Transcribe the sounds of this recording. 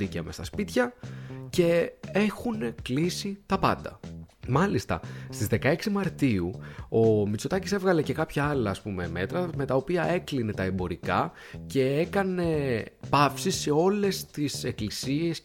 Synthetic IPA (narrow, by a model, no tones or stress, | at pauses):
iceɐmest̪ɐspit̪çɐce̞e̞xune̞klisit̪ɐpɐ̰nd̪ɐ̰mɐlist̪ɐ̰st̪izðe̞kɐe̞ksimɐɾt̪iuo̞mit͡sot̪ɐcise̞vɣɐle̞ce̞kɐpçɐɐlɐːspume̞me̞t̪ɾɐme̞t̪ɐo̞piɐe̞kline̞t̪ɐe̞mbo̞ɾikɐ | ce̞e̞kɐne̞pɐfsise̞o̞le̞st̪ise̞klisie̞s